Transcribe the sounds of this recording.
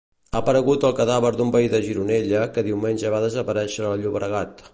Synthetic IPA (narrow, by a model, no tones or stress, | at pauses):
apəɾəɣut̪əlˠkəðaβəɾd̪umbəiðəʒiɾuneʎəkəðiwmenʲʒəβ̞aðəzəpəɾɛʃəːlˠʎuβɾəɣat̪